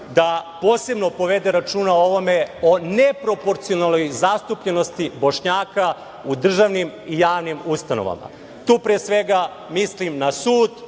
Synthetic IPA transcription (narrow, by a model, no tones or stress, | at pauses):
d̪apoːse̞bno̞po̞ʋe̞d̪eɾat͡ʃuːnao̞ʋo̞me̞o̞nepɾo̞po̞ɾt̪sionalnojzast̪upʎe̞no̞st̪ibo̞ʃɲaːka | ud̪r̩ʒaʋnimijaːʋnimust̪ano̰ʋa̰ma̰ | t̪uːpɾeːsʋe̞ɡa | mislimnasuːd̪